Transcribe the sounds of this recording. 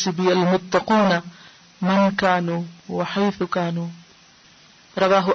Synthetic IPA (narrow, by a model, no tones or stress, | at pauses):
sɪbɪalmʊt̪ˤːɑquːna | mɪnkaːnuːwɪħajθkaːnuː | ɾˤɑðˤɑːɦʊ